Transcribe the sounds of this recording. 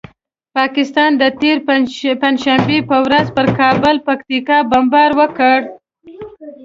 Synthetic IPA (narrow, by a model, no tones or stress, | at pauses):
pɑkɪst̪ɑnd̪ət̪eɾpand͡ʒʃambepəwɾazpəɾkɑbəlpakt̪ikɑbambɑɾwəkəɽ